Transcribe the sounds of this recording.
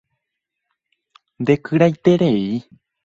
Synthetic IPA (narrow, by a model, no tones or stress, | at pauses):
nd̪ekɨɾajt̪eɾei